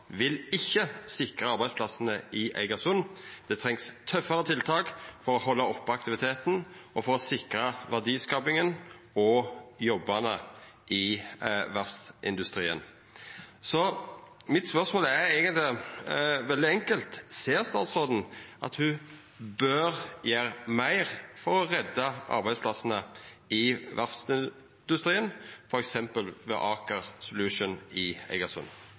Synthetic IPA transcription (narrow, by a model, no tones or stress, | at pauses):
ʋɪlɪçːəsɪkɾəɑɾbæɪdspʰlɑsənəʔɪʔæ̰ɪɡɑsʊnd̪̥ɛt̪ʰʁɛŋst̪ʰœfːəɾət̪ʰɪlt̪ʰɑːkfɔɾɔɦɔlːɑɔpːɔɑk̚t̪ɪʋɪt̪ʰeːt̪n̩ʔɔfɔɾɔsɪkɾəʋæʁd̪iːskɑːpɪŋən | ɔjɔbːɑnəʔɪʋæʁst̪ɪ̰nd̪ʉst̪ɾiːə̰n | sɔmɪt̪spœʁsmoːlæɾeːɡənt̪lɪ | ʋɛld̪ɪɛŋkəlt̪seːɾst̪ɑːt̪sʁoːd̪n̩ʔɑ̰t̪hʉ | bøɾjeːɾmæɪʁfɔɾɔʁɛd̪ːɑʔɑ̰ɾbæɪspʰlɑsənə | ɪʋæɾfsɪ | d̪ʉst̪ɾiːənfɔɾɛksɛmpəlʋɛ̰ʔɑːkəʁsʊlʉʃʊnɪæ̰ɪɡɑsʊ̰n